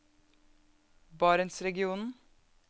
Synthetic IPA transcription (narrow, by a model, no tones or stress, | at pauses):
bɑːɾənsɾɛɡɪuːnn̩